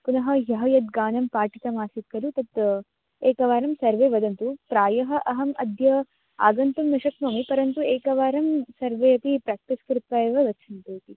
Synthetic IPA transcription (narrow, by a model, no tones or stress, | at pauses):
punɐɦɐ̆jɐɦɐjɐt̪̚ɡaːnɐmpaːʈit̪ɐmaːsit̪̚kɐlut̪ɐt̪ | eːkɐʋaːɾɐmsɐɾʋeːʋɐd̪ɐnt̪upɾaːjɐɦɐ̆ʔɐɦɐmɐd̪ʱjɐ | a̰ːɡɐnt̪ɐmnɐʃɐknoːmipɐɾɐnt̪ueːkɐʋaːɾɐmsɐɾʋeːɐt̪ipɾaːk̚ʈ̪iskɾut̪ʋaːeːʋɐʋɐt͡ʃʰɐnt̪uːt̪i